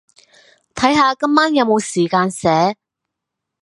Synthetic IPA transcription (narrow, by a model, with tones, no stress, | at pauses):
t̪ʰɐ˨˥jɦaː˨˧kɐ˥mːaː˥njɐ˨˧wmo˨˧wsiː˨˩kaː˧nsɛː˨˥